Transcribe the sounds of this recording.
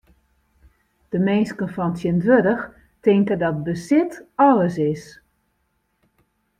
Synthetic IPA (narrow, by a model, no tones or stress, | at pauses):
d̥əmenskənfɔntjəntʋødəx | tɪŋkədɔt̚bəsɪtɔləsɪs